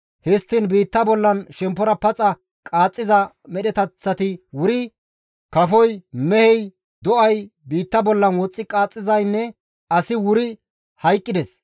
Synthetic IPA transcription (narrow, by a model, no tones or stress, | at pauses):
hɪst̪ːɪnbiːt̪ːɐbɔlːɐnʃɛmpːɔɾɐpɐt͡sʼːɐ | kʼaːt͡sʼːɪzɐ | mɛɗɛt̪ɐt͡sːɐt̪ɪwʊɾɪ | kɐfɔjmɛhɛj | d̪ɔʔɐjbiːt̪ːɐbɔlːɐnwɔt͡sʼːɪkʼaːt͡sʼːɪzɐjnːɛ | ɐsɪwʊɾɪ | hɐjkʼːɪd̪ɛs